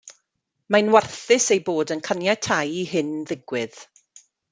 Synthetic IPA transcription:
manwarθɪsejboːdənkʰanjatʰajiɦɪnðɪɡwɪð

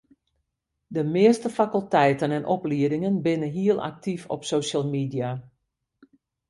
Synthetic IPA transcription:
dəmɪəstəfakəlˠtɛjtənɛnʔɔpliədɪŋənbɪnəɦiəlˠʔa̰k̚tʰifɔ̰psoʃəlˠmidia

